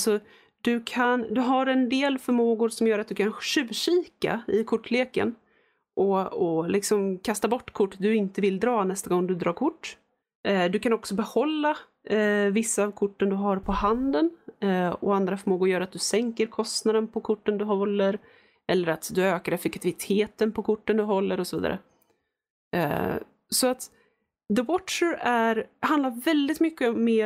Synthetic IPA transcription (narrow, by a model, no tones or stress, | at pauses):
sɔ | d̪ɵkʰand̪ɵɦaɾɛnd̪eːlfœɾmoːɡʊɾʂɔmjœːɾat̪̚d̪ɵkʰanʂʉ̟ːɕiːka̰ɪkʰʊʈːleːkə̰n | ʔɔɔlɪksɔmkʰast̪abɔʈːkʰʊʈːd̪ɵɪnt̪əvɪld̪ɾɑːnɛst̪aɡɔŋːd̪ɵd̪ɾɑːɾkʰʊʈː | d̪ɵkanɔksɔbɛhɔlːa | vɪsːaːvkʰʊʈːənd̪ɵɦaɾpʰɔɦand̪ən | ɔand̪ɾafœɾmoːɡʊjœːɾat̪̚d̪ɵsɛŋkəɾkʰɔst̪nad̪ənpʰɔkʰʊʈːənd̪ɵɦɔlːəɾ | ʔɛlːəɾat̪d̪ɵøːkaɾɛfɛkt̪ʰɪvɪt̪ʰeːt̪ənpʰɔkʰʊʈːənd̪ɵɦɔlːəɾɔsɔviːd̪a̰ɾə̰ | sɔat̪ | d̪əwɔʈʂəɾæɾhand̪laɾvɛld̪ɪt̪mʏkːəɔmːeː